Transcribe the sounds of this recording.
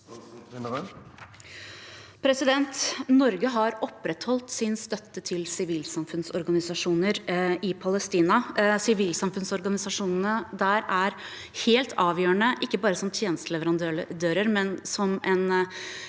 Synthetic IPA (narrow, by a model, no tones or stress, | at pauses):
pʰɾɛsɪd̪ɛnt̪nɔɾɡəɦɑɾɔpːɾɛt̪hɔlt̪sɪnst̪œt̪ːət̪ʰɪlsɪʋiːlsɑmfʉnsɔɾɡɑnɪsɑʂuːnəɾɪpʰɑləst̪iːnɑsɪʋiːlsɑmfʉnsɔɾɡɑnɪsɑʂuːnən̩əd̪æɾæɾ | heːlt̪ʰɑːʋjøːəɳəʔɪkːəbɑːɾəsɔmt̪ʰjeːnəst̪əlɛʋəɾɑnd̪ød̪øːɾəɾmɛnsɔmʔɛn